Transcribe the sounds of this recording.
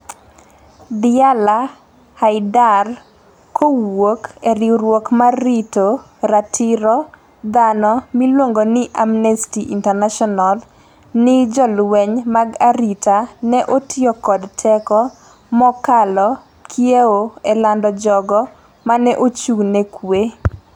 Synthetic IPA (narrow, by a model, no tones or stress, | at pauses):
dɪala | haɪdar | kowokeɾiɾwokmaɾito | ɾatʰiɾɔ | d̪anɔmilwoŋɡonɪʔamnestiʔintɛrnaʃɔnal | nɪd͡ʒɔlwɛɲmaɡaɾitanɛʔotʰɪɔkɔdtʰɛkɔ | mɔkalɔ | kʰjeoelandɔd͡ʒɔɡɔ | manɛʔot͡ʃuɡnekwe